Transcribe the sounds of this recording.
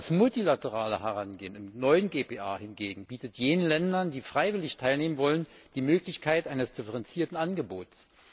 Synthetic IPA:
asmʊltilatəʁ̞aːləɦɛʁanɡeːənɪmnɔʏənɡeːpeːʔaːhɪnɡeːɡŋ̩biːtətjeːnənlɛndɐndiːfʁ̥aɪvɪlɪçtʰaɪlneːmənvɔlən | d̥iːmøːklɪçkʰaɪtʔaɪnəsd̥ɪfəʁɛnt͡siːɐtn̩ʔanɡəboːts

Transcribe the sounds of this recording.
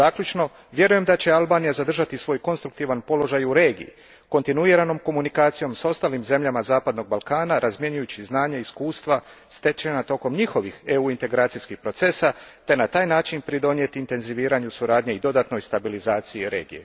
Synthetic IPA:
zaːkʎut͡ʃno̞ | ʋje̞ɾuje̞md̪at͡ɕe̞alˠbaːnijazad̪r̩ʒat̪isʋo̞jko̞nst̪ɾukt̪iːʋanpo̞lo̞ʒajuɾe̞ːɡḭjḭ | ko̞nt̪inuiɾano̞mko̞munikaːt̪sijo̞mso̞st̪aːlimze̞mʎamazaːpad̪no̞ɡ̚balˠkaːnaɾʔazmje̞ɲujut͡ɕiznaːɲaiskuːst̪ʋa | st̪e̞t͡ʃenat̪o̞ko̞mɲixo̞ʋixe̞uint̪e̞ɡɾaːt̪sijskixpɾo̞t̪se̞sat̪e̞nat̪aːjnaːt͡ʃinpɾid̪o̞nje̞t̪iːnt̪e̞nziʋiːɾaɲusuɾaːd̪ɲeid̪o̞d̪at̪no̞jst̪abilizaːt̪sijiɾe̞̰ːɡije̞̰

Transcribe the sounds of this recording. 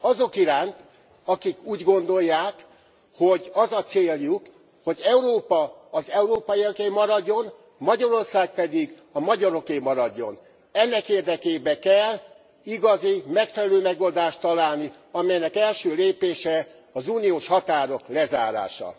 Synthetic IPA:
ɒzo̞kiɾaːnt̪ | ɒkikuːɟɡo̞nd̪o̞jːaːk | ho̞ɟɒzɒt̪seːljuk | ho̞ɟɛuɾoːpɒːzɛuɾoːpɒjiɛkeːmɒɾɒɟːo̞n | mɒɟɒɾo̞rsaːk̚pɛd̪iɡ | ɒmɒɟɒɾo̞keːmɒɾɒɟːo̞n | ɛnːɛkeːrd̪ɛkeːbɛkɛl | iɡɒzimɛkfɛlɛløːmɛɡo̞ld̪aːʃt̪ɒlaːlni | ɒmɛjnɛkɛlʃøːleːpeːʃɛ | ɒzuːnijoːʃhɒt̪aːɾo̞klɛza̰ːɾa̰ːʃɒ̰

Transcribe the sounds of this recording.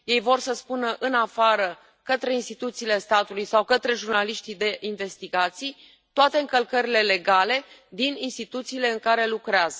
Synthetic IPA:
je̞jvo̞rsəspunəʔɨnafaɾə | kət̪ɾe̞inst̪it̪ut̪siːle̞st̪at̪ulujsawkət̪ɾe̞ʒurnaliʃt̪id̪e̞ʔinve̞st̪iɡat̪sij | t̪oat̪e̞ɨŋkəlkəɾile̞le̞ɡale̞d̪ininst̪it̪ut̪siːle̞ɨŋkaɾe̞lukɾeazə

